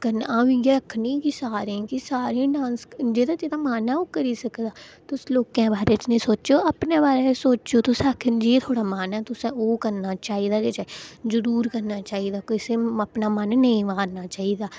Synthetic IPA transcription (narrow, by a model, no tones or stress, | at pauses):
kənãːʋĩːɡeɾəkʰːnĩːkisaːɾẽːkisaːɾĩːɖãːnsd͡ʒeːd̪aːd͡ʒeːd̪aːmaːnɛːoːkəɾiːsəkd̪aːt̪ʊsloːkãːbaːɾeːt͡ʃnĩːsoːt͡ʃoːəpnẽːbaːɾeːsoːt͡ʃoːt̪ʊsãːkʰd͡ʒeːt̪ʰoːɽaːmaːnɛːt̪ʊsɛ̃oːkəɾnaːt͡ʃaːiːd̪aːd͡ʒeːt͡ʃazəɾuːɾkəɾnaːt͡ʃaːiːd̪aːkɪseːəpnaːmənːəĩːʋaːɾnaːt͡ʃaːiːd̪aː